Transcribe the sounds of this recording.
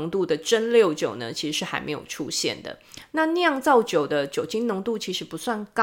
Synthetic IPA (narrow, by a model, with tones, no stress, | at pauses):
ŋt̪u˥˩d̪ə˩ʈ͡ʂə˦nljo˥˩ʊt͡ɕjo̰˨˩ʊnə̰˦t͡ɕʰi˧˥ʂɻ̩˧˥ʂɻ̩˥˩xa˧˥ɪme˧˥ɪjo̰˨˩ʊʈ͡ʂʰṵ˦˥ɕjɛ̰˥˨nd̪ə̰˩na˥˨njɑ˥˧ŋt͡sɑ˥˩ʊt͡ɕjo˨˩ʊd̪ə˦t͡ɕjo˨˩ʊt͡ɕi˥ŋnʊ˧˥ŋt̪u˥˩t͡ɕʰi˧˥ʂɻ̩˧˥pu˧˥swa˥˩nkɑ